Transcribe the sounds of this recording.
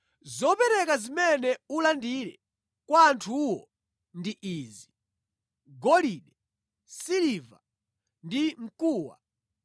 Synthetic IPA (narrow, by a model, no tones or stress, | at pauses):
zɔpɛɾɛkazimɛnɛulandiɾɛ | kwaːntʰuwɔ | ndiʔiːzi | ɡɔliɗɛ | siliva̰ | ndiŋ̩kuːwa̰